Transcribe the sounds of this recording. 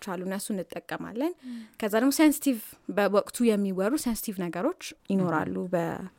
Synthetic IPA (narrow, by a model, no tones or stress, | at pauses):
t͡ʃːalːuɨnːəsuɨnːɨt̪ʼːəkʼːəma̰lːənkʰəzːad̪əɡmosejnsi̥t̪ʰivbəwɔkʼt̪ʰujɛmːiwɔrusensi̥t̪ʰivnəɡəɾo̞t͡ʃːjɪno̞ɾa̰lːubə̰